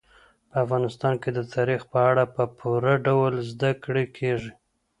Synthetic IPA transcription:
pəafɣɑnɪst̪ɑnked̪ət̪ʰɑɾixpəaɽapəpʰuɾaɖawəlzd̪akɽekʰeʐi

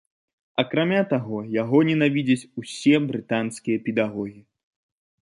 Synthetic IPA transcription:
ɐkɾamʲat̪aɣɔjaɣɔnʲɛnavʲid͡zʲɐt͡sʲusʲɛbɾɨt̪anskʲijɐpʲɛd̪aɣɔɣʲi

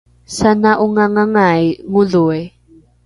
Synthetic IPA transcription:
sanaʔʊŋaŋaŋajŋʊlue

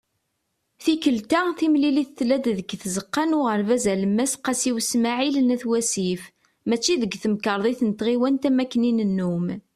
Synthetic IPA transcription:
θikəlt̪æθimliliθθlæd̪ðəɡθzəqːɑnʊʁəɾvæzæləmːæsqæsiwsmaʕilənæθwæsif | mæt͡ʃːiðəɡθəmkəɾˤðˤiθnət̪ʁiwænt̪æmækːninənːum

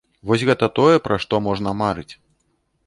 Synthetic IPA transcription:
vɔsʲɣɛt̪ɐt̪ɔjɛpɾɐʂt̪ɔmɔʐnɐmaɾɨt͡sʲ

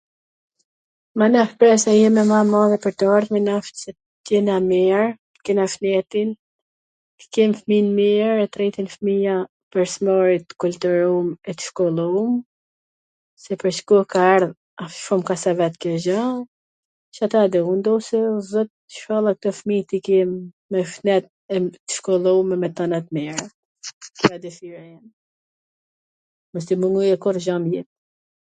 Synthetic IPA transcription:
manafpɾɛsɛjɛmɛmamaðɛpəɾt̪əaɾðmɛnaft̪sɛ | tjɛnamiɾ | ə̥kɛnafnɛt̪in | t̪ə̥kɛmfminmiɾɛt̪ɾit̪infmija | pɛɾsmɔɾit̪kult̪uɾumɛt̪ə̥ʃkɔlˠum | sɛpəɾʃkukaɛɾð | afʃumkasavɛt̪kɛʒa | t͡ʃat̪ad̪ɛund̪ɔwsɛzɔt̪ | ʃkɔlˠak̚t̪ɔfmit̪ikimː | ɛfnɛt̪̚ | ɛə̥ʃkɔlˠɔmɛmɛt̪ɔnat̪mɛɾa | kiad̪ɛfiɾɛn | mɛst̪imuŋujɛkɔrʒamjɛt̪̚

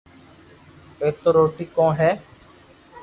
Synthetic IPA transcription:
eːt̪oːɾoːʈiːkɔ̃ːɦɛː

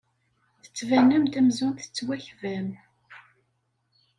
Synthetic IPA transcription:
θə̥t͡sːvænːəmt̪æmzʊnθə̥t͡sːwæçvæm

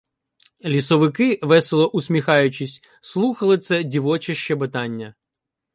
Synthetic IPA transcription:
lʲisɔʋɪkɪʋɛselˠɔʔusʲmʲixɑjʊt͡ʃisʲ | slˠuxɐlˠɪt̪sɛdʲiʋɔt͡ʃɐʃt͡ʃɛbet̪ɑnʲːɐ

